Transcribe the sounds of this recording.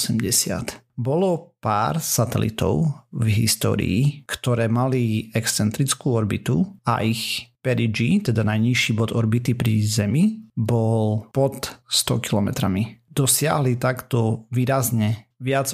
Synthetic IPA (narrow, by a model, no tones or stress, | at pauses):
sɛmɟɛsɪa̰t̪ | bɔlɔpa̰ːɾsat̪ɛ̰lḭt̪ɔ̰ʊvɦḭst̪ɔ̰ːɾḭːkt̪ɔɾɛːmaliɛkst͡sɛnt̪ɾit͡skuːɔɾbit̪ua̰ʔixpɛɾid͡ʒit̪ɛd̪anajɲiʃibɔd̪ɔɾbit̪ipɾizɛmibɔlpɔt̪st̪ɔ̰kilɔmɛ̰t̪ɾamid̪̥ɔsɪa̰ɦlit̪akt̪ɔʋiːɾazɲɛʋɪad͡z